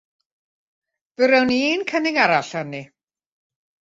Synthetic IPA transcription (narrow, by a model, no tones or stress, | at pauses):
v̥ɨɾɛwniːnkʰənɪŋaɾaɬanːi